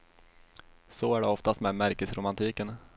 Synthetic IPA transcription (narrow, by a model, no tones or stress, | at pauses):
sɔæɖɛɔft̪ast̪mɛːd̪mæɾkəsɾʊmant̪ʰiːkən